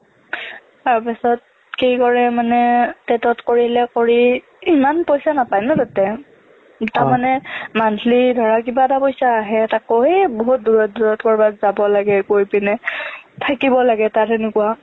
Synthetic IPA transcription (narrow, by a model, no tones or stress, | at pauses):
taɹpisɔt̚ | xejkɔɹɛmanɛtɛtɔtkoɹilɛkoɹi | imanpojsanapajnɔtatɛ | taɹmanɛmantʰlidʱɔɹakibatapojsaːɦɛtakoeboɦut̚duɹɔt̚duɹɔtkɔɹbatzabɔlaɡɛkojpinɛtʰakibɔlaɡɛtatɛnʊkua